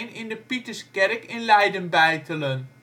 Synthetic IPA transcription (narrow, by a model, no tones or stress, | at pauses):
nɪndəpitəɹskɛɾəkɪnlɛjdənbɛjtələn